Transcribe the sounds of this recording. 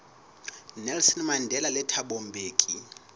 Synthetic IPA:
nɛlsɔnmandʱɛlalɛtʰaɓɔmbʱeːkʼi

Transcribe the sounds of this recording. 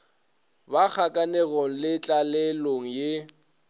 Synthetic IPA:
bak͡xʰakʼanɛɣɔŋ̩lɪt͡ɬʼalɛloŋ̩je

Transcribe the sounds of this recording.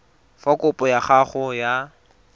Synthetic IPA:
fakʊpʼɔjaχaχɔja

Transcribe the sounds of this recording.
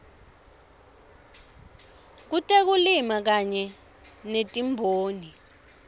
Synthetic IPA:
k̬utʼek̬ulimak̬aɲɛ | netʼimbʱoːni

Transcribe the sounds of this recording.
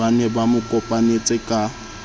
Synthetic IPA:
anɛbamʊkʼɔpʼanet͡sʼɪkʼa

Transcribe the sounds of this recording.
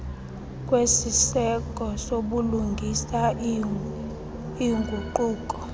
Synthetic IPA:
kʼwesisɛkʼɔsoɓuluŋɡʱisa | iŋɡʱuǃuːkʼɔ

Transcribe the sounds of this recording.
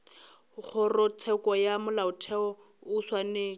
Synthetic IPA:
k͡xʰʊrʊtʰɛkɔjamʊlaʊtʰɛɔ | ʊswane

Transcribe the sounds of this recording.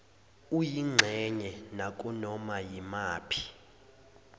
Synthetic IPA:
ujiŋ͡ǁʱɛɲɛnakʼunɔmajimaːpʰi̥

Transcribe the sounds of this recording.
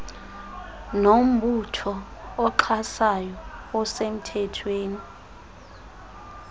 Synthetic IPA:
nom̩ɓutʰɔːǃʰasajɔɔsem̩tʰɛtʰweːni

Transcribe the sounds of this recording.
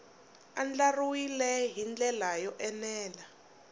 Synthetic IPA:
a̰nd͡ɮaruwilɛɦind͡ɮɛlajɔʔɛnɛːla

